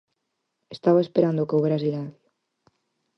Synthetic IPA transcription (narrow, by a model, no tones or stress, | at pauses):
est̪aβaespeɾand̪okowβeɾasiɣaðj